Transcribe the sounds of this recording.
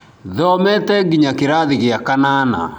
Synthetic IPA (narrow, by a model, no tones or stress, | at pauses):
ðɔmɛtɛɡiɲakeɾaðiɣeakanana̰